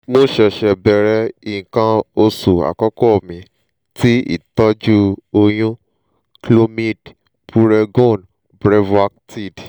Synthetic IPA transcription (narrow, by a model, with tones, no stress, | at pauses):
mo˦ʃɛ˧ʃɛ˧bɛ˨ɾɛ˧i˦˨ĩ˨kã˧o˧su˨a̰˨kɔ˦kɔ˦˨mĩ˨ | ti˦ḭ˦˨tɔ˦d͡ʒu˦o˧j̃ũ˦ | klo˧mĩ˦d | pu˧˦ɾɛ˧ɡõ˦˨n | bɾɛ˦va˧k̚ti˦˨d